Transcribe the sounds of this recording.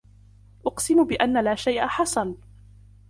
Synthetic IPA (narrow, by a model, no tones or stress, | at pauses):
ʔʊqsɪmbɪʔanːalaːʃajʔaħɑsˤɑn